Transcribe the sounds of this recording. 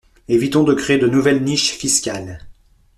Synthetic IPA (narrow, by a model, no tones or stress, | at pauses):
evit̪ɔ̃d̪əkχeed̪ənuvɛlniʃfiskʲal